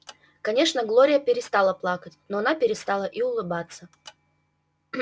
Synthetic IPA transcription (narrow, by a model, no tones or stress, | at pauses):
kɐnʲe̞ʂnəɡlˠoɾʲɪjəpʲɪɾʲɪst̪alˠəplˠakətʲnoɐnapʲɪɾʲɪst̪alˠəʔiʊlˠɨbat̪sə